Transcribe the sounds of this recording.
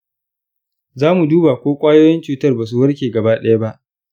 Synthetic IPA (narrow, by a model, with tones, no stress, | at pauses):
zaː˦mu˨duː˦baː˨kʷoː˦kʷʼaː˦joː˦jɛ˦nt͡ʃuː˨tɐ˦rbaː˨s̬u˨wɐ˦rkʲeː˨ɡɐ˨baː˦ɗɐ˦ja˦ba˦ʔ